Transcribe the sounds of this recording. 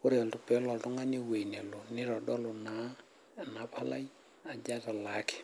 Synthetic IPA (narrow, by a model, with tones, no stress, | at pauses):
o˦ɾeɔ˨ltu˨pɛ˨˦lɔ˨ltʊ˦ŋa˦ni˦we˨ine˨lo˨nɪ˦ɾɔ˨dɔ˦lo˨na˦ | na˨pʰa˦la̰˦j | a˨d͡ʒa˦ta˨la˨˦kɪ̥˨